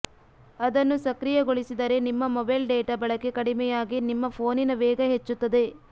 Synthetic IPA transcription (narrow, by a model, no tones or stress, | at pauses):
ɐd̪ɐnːusɐkɾijɐɡoɭisid̪ɐɾe̞nimːɐmɔbɐjlɖeːʈɐbɐɭɐkːekɐɽimɛjaːɡinimːɐpʰo̞ːninɐʋɛːɡɐɦet͡ʃːut̪ːɐd̪e̞